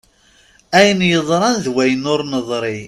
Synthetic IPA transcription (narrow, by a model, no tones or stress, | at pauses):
æjənjəðˤɾˤɑnðwæjənʊɾnəðˤɾˤi